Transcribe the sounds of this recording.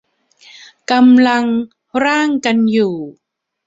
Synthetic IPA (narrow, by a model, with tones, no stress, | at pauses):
ka˧mla˧ŋ | ɾaː˥˩˨ŋka˧njuː˨˩